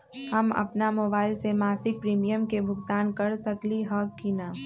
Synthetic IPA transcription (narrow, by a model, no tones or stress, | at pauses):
hɐmɐ̰pnamoːbaːɪlsemaːsɪk̚pɾiːmijəmkebʱʊɡt̪aːnkɐɾsɐkliɦɐkːinaː